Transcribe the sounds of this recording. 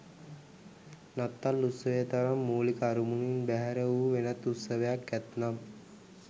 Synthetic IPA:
nat̪ːalːut̪səʋəjət̪aɾamːuːlikəaɾumuninbæɦæɾəuːʋenat̪ːut̪səʋəjakːæt̪nam

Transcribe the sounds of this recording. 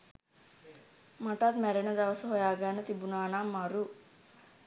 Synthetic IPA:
mɐʈaːd̪mɛɾɐnɐd̪ɐʋɐsɐɦojaːɡaːnɐt̪ibunaːnaːmːaɾu

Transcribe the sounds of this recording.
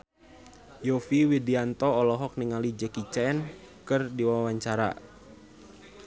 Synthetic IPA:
jɔfiwidiant̪ɔːlɔɦɔk̚niŋalid͡ʒɛkit͡ʃɛn | kɨrdiwawaɲt͡ʃaɾa̰

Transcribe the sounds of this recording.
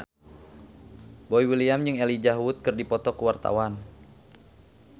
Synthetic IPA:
boiwiliamd͡ʒɨŋɛlid͡ʒaɦwut̪̚kɨrdipɔt̪ɔkəwart̪a̰wan

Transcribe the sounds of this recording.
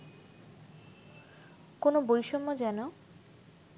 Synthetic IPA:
konobojʃomːod͡ʑɛno

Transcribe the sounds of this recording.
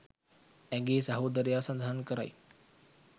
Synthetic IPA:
ɛŋɡeːsaɦoːd̪əɾjaːsand̪ʱaɦankəɾa̰j

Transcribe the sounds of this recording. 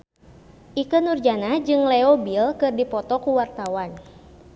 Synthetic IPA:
ʔikənurd͡ʒanad͡ʒɨŋleobilkɨrdipɔt̪ɔkuwart̪awan

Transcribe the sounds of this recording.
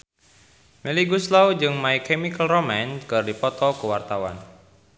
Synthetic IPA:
meliɡuslawd͡ʒɨŋmaikɛmikəlromankɨrdipɔt̪ɔkəwart̪awa̰n

